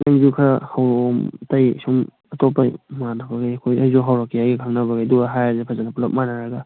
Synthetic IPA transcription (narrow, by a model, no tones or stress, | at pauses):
naŋzukʰahawmtajsum | ɐtɔpːamanabaɡajɐkʰojajzɔɦawɾakːijaɡikʰaŋnabaɡajduɡaɦajazepʰazanapulap̚manaɾaɡa